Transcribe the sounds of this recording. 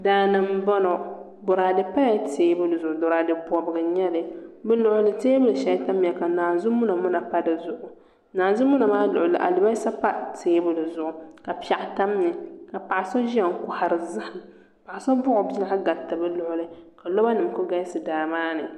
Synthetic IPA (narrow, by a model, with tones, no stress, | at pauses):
daː˨nɨ˨m˦bɔ˦no˨ | bʊ˨ɾa˨dɨ˨pa˦ja˦teː˦bɨ˦lɨ˨zʊ˨ʔʊ˨dɔ˨ɾa˨dɨ˨pɔ˨bɨ˨ɡɨ˨ɲɛ˦lɨ˨bɨ˦lʊ˨ʔʊ˦lɨ˨teː˦bɨ˦lɨ˨ʃɛ˨˦ta˦m˦˨ɛ˨ka˨naː˨zʊ˦mʊ˦na˨mʊ˦na˨pa˦dɨ˨zʊ˨ʔʊ˨ | naː˨nzʊ˦mʊ˦na˨maː˦lʊ̰˨ʔʊ˨lɨ̰˨ʔa̰˨lɪ˨ba˦jsa˦pa˦teː˦bɨ˦lɨ˨zʊ˨ʔʊ˨ka˨pa˨ʔta˦m˦ɛ˨ka˨pa˨ʔa˨sa˦ʒi˦ɛ˨ŋ˨kʊ˦ha˨ɾɨ˨zɨ˦hɪ˨m | pa˨ʔa˨sa˦bʊ˦ʔʊ˨bi˦la˦a˦ɡa˨tɨ˨bɨ˦lʊ˦ʔʊ˦lɨ˦ka˨lɔ˦ba˦nɨ˨m˨kʊ˦ɡa˦jsɨ˨daː˨maː˦nɨ˨